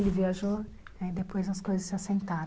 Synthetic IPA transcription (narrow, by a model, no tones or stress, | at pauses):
lɪviaʒo | nɛid̪epojzɐskojzɐsːasẽnt̪aɾ